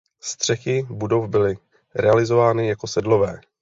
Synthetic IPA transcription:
st̪r̝̥ɛxɪbudo̞fbɪlɪ | ɾɛalɪzo̞vaːnɪjako̞sɛdlo̞vɛː

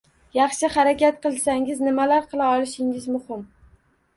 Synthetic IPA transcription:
jɑχʃɪχaɾakʲʰat̪̚qʰɨlˠsaŋɪznɪmalaɾqʰɨlˠaɒlˠɪʃɪŋɪzmʊhɪm

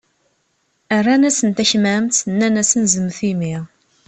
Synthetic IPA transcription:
ærˤːanæsənt̪æçmæmt̪ənːænæsənzəmθimi

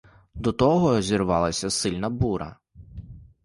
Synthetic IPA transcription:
d̪ɔt̪ɔɦɔzʲirʋɑlˠɐsʲɐsɪlʲnɐbuɾɐ̰

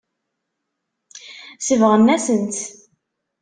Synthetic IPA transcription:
səvʁənːæsənt̪

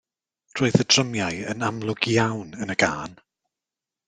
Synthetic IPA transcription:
r̥oːɨθəd̥rəmjaɨənamlˠʊɡ̥jawnənəɡaːn

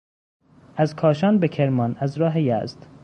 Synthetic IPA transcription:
ʔæzkʰɒːʃɒːnbekʰeɾmɒːnæzɾɒːɦejæ̰ːzd̪̥

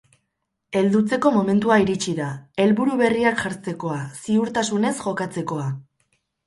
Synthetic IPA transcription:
e̞ld̪ut͡se̞ko̞mo̞me̞nt̪uaiɾit͡ʃiðae̞lβuɾuβe̞riakʝaɾt͡se̞ko̞asiuɾt̪asune̞sʝo̞kat͡se̞ko̞a

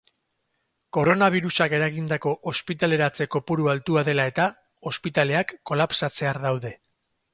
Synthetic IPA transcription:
ko̞ɾo̞naβ̞iɾusake̞ɾaɣind̪ako̞ʔospit̪ale̞ɾat͡se̞ko̞puɾualt̪uaðe̞lae̞t̪a | o̞spit̪ale̞akːo̞lapsat͡se̞aɾðawðe̞

